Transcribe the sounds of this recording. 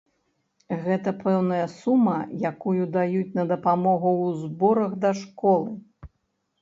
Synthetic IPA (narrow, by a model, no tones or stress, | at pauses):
ɣɛt̪ɐpʰɛwnɐjɐsumɐjakujud̪ajut͡sʲnɐd̪ɐpamɔɣuwzbɔɾɐɣd̪ɐʂkɔlˠɨ